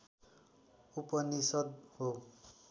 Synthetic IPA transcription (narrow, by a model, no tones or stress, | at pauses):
upʌnisʌd̪̚ho